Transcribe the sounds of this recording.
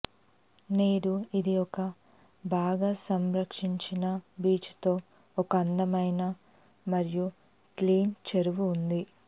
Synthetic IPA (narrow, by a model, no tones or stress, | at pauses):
neːɽuid̪iɔkɐ | bʱaːɡaːsɐmɾɐkʂiɲt͡ʃinɐbiːt͡ʃu̥t̪o̞ː | ɔkɐɐnd̪ɐmɐjnɐ | mɐɾiju | kliːnt͡ʃeɾuʋuːnd̪i